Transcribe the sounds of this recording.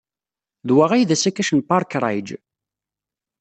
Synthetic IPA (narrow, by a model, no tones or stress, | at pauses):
ðwaʁajðæsækːæʃənpaɾˤkɾˤɑ̰jd͡ʒ